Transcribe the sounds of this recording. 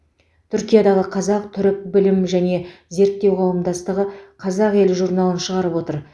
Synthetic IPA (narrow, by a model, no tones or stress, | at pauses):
t̪ʰʏɾkʲijad̪ɑʁəqʰɑzɑq̚t̪ʰʏɾɪk̚bɪlɪmʒæne̞ze̞ɾt̪̚t̪ːe̞wqʰɑwəmd̪ɑst̪əʁəqʰɑzɑqe̞lɪʒuɾnɑlˠənʃəʁɑɾəpwo̞t̪əɾ